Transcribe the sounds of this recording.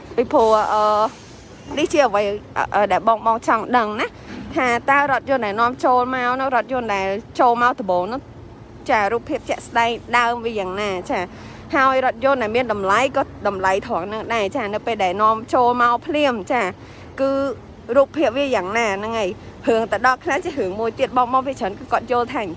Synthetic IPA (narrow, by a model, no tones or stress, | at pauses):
pipʰʊəhʔəː | niht͡ɕiəʔəʋəjʔəːɗaɛlɓɑːŋɓɑːŋt͡ɕɑŋɗəŋnah | t̪ʰaːt̪aərŏət̪̚jʊ̆ənɗaɛnŏəmt͡ɕoːlmaɔnɨ̆ŋrŏət̪̚jʊ̆ənɗaɛlt͡ɕoːlmaɔt̪əɓoːŋnʊ̆ | t͡ɕaːruːpʰːiəp̚t͡ɕɛ̆əʔsɗaɛŋɗaəmʋiəjaːŋnaːt͡ɕaː | haəjrŏət̪̚jʊːnɗaɛlmiənɗɑmlajkɔːɗɑmlajt̪ʰŏəŋnɨŋɗaɛt͡ɕaːnɨwpeːlɗaɛlnŏəmt͡ɕoːlmaɔpʰliəmt͡ɕaː | kɨː | ruːpʰːiəp̚ʋiəjaːŋnaːnɨŋəj | hɨəŋt̪aɗɑlkʰlat͡ɕiəɦɨəŋmuəjt̪iət̪̚ɓɑːŋɓɑːŋpʰiət͡ɕʰəːnkɨːkŏət̪̚joːlt̪ʰaːŋ